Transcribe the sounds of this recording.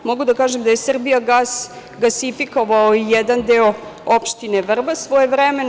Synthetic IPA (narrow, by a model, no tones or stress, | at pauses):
moɡud̪akaːʒemd̪aje̞sr̩bijaɡas | ɡasifiko̞ʋaoijɛd̪and̪eoopʃt̪ine̞ʋr̩basʋo̞jeʋɾɛmen